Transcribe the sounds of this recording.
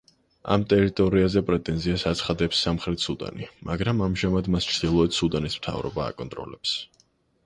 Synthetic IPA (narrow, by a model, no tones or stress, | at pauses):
a̰mt̪ʼɛɾit̪ʼɔɾiazɛpʼɾɛt̪ʼɛnziasat̪sʰχad̪ɛpsːamχɾɛt̪ʰsud̪a̰nimaɡɾamamʒamad̪mast͡ʃʰd̪̥ilˠɔɛt̪sud̪anismt̪ʰa̰vɾɔ̰ba̰ːkʼɔnt̪ʼɾɔ̰lɛps